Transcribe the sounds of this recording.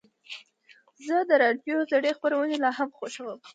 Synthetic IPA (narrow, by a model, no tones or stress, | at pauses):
zəd̪əɾɑɖjozaɽexpaɾawənelɑɦamxoʃawəm